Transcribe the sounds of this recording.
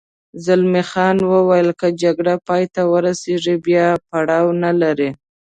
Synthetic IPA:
zalmixɑnwəwajəlkəd͡ʒaɡɽapɑjt̪awəɾaseʐibjɑpaɽɑwnalaɾi

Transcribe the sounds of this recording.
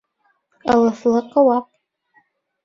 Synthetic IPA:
alaflɨqʼawapʼ

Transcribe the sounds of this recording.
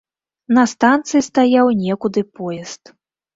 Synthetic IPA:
nɐst̪ant̪sɨist̪ajawnʲɛkud̪ɨpɔjɛst̪

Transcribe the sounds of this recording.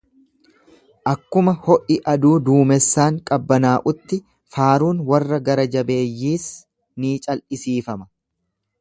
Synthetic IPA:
ʔɐkːʊmɐhɔʔɪʔɐd̪uːd̪uːmɛsːaːŋkʼɐbːɐnaːʔʊt̪ːɪ | faːɾuːnwɐrːɐɡɐɾɐd͡ʒɐbe̞ːjːiːs | niːt͡ʃʼɐlʔɪsiːfɐmɐ̥

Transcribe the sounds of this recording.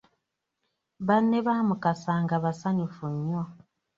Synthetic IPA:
βanːeβaːmukasaŋɡaβasaɲufuɲːo

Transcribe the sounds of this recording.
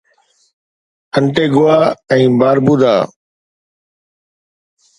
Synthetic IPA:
əɳʈeːɡʊaːɛ̃ːbaːɾbuːd̪aː

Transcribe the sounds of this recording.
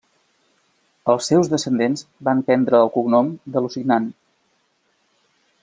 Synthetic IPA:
əlˠsːewzðəsənd̪enzbampɛnd̪ɾəːlˠkunɔmd̪əlusinan

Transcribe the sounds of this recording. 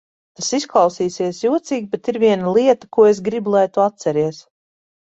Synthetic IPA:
t̪asisklˠɑwsiːsiɛsjuɔt̪siːɡ̚ʲbet̪iɾvʲiɛnalˠiɛt̪akuɔes̬ɡɾibulˠajt̪uat̪̚sɛɾiɛs

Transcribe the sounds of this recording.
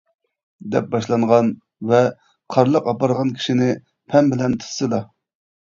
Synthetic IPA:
d̪ɛ̰p̚bɑʃlˠɑɴʁɑn | vɛ | qʰɑɾlˠəqɑpɑɾʁɑnkʲʰi̥ʃinɪ | pʰɛnbɪlɛnt̪ʰɨ̥sɨlɑ

